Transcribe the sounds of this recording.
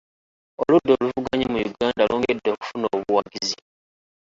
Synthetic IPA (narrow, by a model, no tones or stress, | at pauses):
oludːoːluvuɡaɲimujuɡaːndalʔoːŋɡedːoːku̥funoːβuwaɡizi